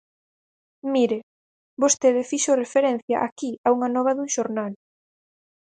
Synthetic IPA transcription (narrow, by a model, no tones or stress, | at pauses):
miɾe | bost̪eðɪfiʃorefeɾẽn̟θjɐ̰ʔakiauŋɐnɔβɐðuŋʃoɾnal